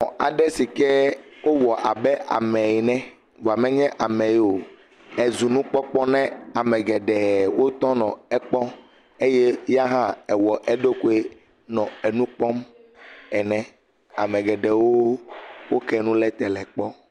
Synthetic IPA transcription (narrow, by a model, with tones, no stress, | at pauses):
ɔ̃˨a˨ɖɛ˦si˨kɛ˦wo˦wɔ˨ʔa˨bɛ˦ʔa̰˨mɛ̃˨ji˨nɛ̃˦ | vo˨a˨mɛ̃˦ɲɛ̃˦ʔa˨mɛ̃˨jo˨ | ɛ˨zu˨nũ˦k͡pɔ˦k͡pɔ˦nɛ̃˦a˨mɛ̃˨ɡɛ˨ɖɛ˨wo˦t̪ɔ̃˦nɔ̃˨ɛ˦k͡pɔ˦ | e˦je˦ja˦ɦã˦ɛ˨wɔ˨ʔɛ˦ɖo˦ku˦e˦ | nɔ̃˨ɛ˨nũ˦k͡pɔ˦m | ɛ˨nɛ̃˨ | a˨mɛ̃˨ɡɛ˨ɖɛ˨wo˦wo˦kɛ˦nũ˦lɛ˦t̪ɛ˨lɛ˨k͡pɔ˦